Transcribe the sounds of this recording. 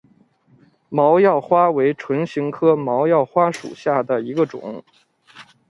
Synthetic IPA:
mɑ˧˥ʊjɑ˥˩ʊxwa˥we˧˥ɪʈ͡ʂʰwə˧˥nɕi˧˥ŋkʰɤ˥mɑ˧˥ʊjɑ˥˩ʊxwa˥ʂṵ˨˩ɕja˥˩d̪ə˩i˧˥ɡə˧ʈ͡ʂʊ̰˨˦ŋ

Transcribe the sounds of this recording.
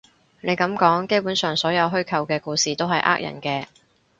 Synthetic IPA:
ne˨˧jkɐ˨˥mkɔː˨˥ŋke˥jpuː˨˥nsœː˨ŋsɔː˨˥jɐ˨˧wɦɵ˥ɥkʰɐ˧wkɛː˧kuː˧siː˨t̪o˥wɦɐ˨jʔa̰ː˥k̚jɐ̰˨˩nkɛː˧

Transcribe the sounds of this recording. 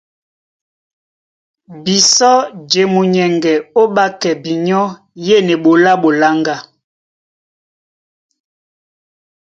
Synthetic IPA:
bi˨sɔ˦d͡ʒe˨mu˨ɲɛ˨ŋɡɛ˨o˦ɓa˦kɛ˨bi˨ɲɔ˦ | je˦˨nɛ˨ɓo˨la˦ɓo˨la˦ŋɡa˦˨

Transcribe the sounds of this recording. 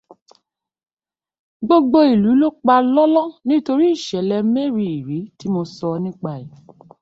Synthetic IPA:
ɡ͡bo˧ɡ͡bo˧i˨lu˨˦lo˦k͡pa˧lɔ˦lɔ̃˦nĩ˦to˧ɾi˦i˦˨ʃɛ˨˦lɛ˧˦me˦ɾi˦˨i˨ɾi˨˦ti˦mo˧sɔ˧nĩ˦k͡pa˦˨i˨

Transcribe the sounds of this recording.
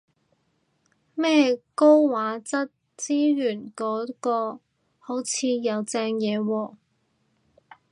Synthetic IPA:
mɛː˥ko˥wwaː˨˥t͡sɐ˥t̚ | t͡siː˥jyː˨˩nkɔː˨˥kɔː˧ | ho˨˥wt͡sʰiː˨˧jɐ˨˧wt͡sɛː˧ŋjɛː˨˧wɔː˧

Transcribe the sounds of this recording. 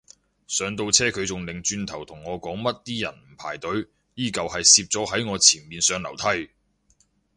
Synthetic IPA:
sœː˨˧ŋt̪o˧wt͡sʰɛː˥kʰɵ˨˧ɥt͡sʊ˨ŋlɪ˨ŋt͡ʃyː˧nt̪ʰɐ˨˩wt̪ʰʊ˨˩ŋːɔː˨˧kɔː˨˥ŋmɐ˥t̚t̪iː˥jɐ̰˨˩nm̩˨˩pʰaː˨˩jt̪ɵ˨˥ɥ | jiː˥˩kɐ˨whɐ˨jsiː˧p̚t͡sɔː˨˥ɦɐ˨˥jŋɔː˨˧t͡sʰiː˨˩nmiː˨nsœː˨˧ŋlɐ˨˩wt̪ʰɐ˥j

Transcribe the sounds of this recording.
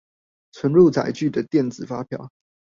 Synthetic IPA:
t͡sʰwə˧˦nɻu˥˨t͡sa̰˨˩ɪt͡ɕy˥˨d̪ə˩t̪jɛ˥˩nt͡sɹ̩˨˩fa˥pʰjɑ̰˨˩˦ʊ

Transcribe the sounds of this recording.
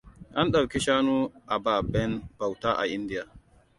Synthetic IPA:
ʔa˦nɗa˨wki˦ʃaː˦nu˦ʔa˨baː˦˨bɛ˦nb̥a˨wta˦ʔa̰˨ʔi˦ndi˦ja˨

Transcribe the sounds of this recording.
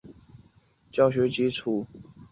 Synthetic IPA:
t͡ɕjɑ˥˨ʊɕ̬ɥɛ˧˥t͡ɕi˥ʈ͡ʂʰu˥˩

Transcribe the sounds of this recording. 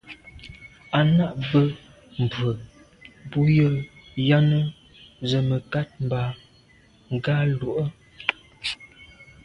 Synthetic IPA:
a˨na˦˨ʔbə˦ | m̩˨bə˨ | bu˦jə˦lja˦nə˦ | zə˨mə˨ka˦t̚m̩˨ba˨ | ŋ˨ɡa˦lo˨ʔə˦

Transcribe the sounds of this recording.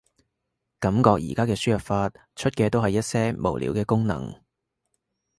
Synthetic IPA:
kɐ˨˧˥mkɔː˧k̚jḭː˨˩kaː˥kɛː˧syː˥˩jɐ˨˩p̚faː˧t̚ | t͡ʃʰɵ˥t̚kɛː˧t̪o˥wɦɐ˨jːɐ˥t̚sɛː˥mo̰˨˩wlʔḭː˨˥wkɛː˧kʊ˥ŋnɐ̰˨˩ŋ

